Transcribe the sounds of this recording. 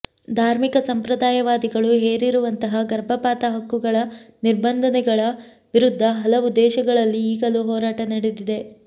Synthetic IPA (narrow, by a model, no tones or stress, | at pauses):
d̪ʱaːɾmikɐsɐmpɾɐd̪aːjɐʋaːd̪iɡɐɭuɦeːɾiɾuʋɐnt̪ɐɦɐɡɐɾbʱɐpaːt̪ɐɦɐkːuɡɐɭɐniɾbɐnd̪ʱɐnɛɡɐɭɐ | ʋiɾud̪ʱːɐɦɐlɐʋud̪ːɛːʃɐɡɐɭɐlːiːɡɐluɦɔːɾaːʈɐnɐɽed̪id̪e̞